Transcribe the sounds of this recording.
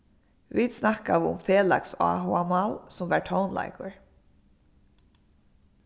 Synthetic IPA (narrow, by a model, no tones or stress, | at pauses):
ʋid̪snahkaʋɪʊ̰mfeːla̰ksa̰ːɦʊamalsʊmvæːɹʈʰɔwnlʔa̰jkʊɹ